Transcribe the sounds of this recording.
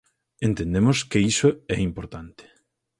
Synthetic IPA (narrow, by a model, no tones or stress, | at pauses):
ent̪end̪emoskeisoɛ̰impoɾt̪ant̪e̥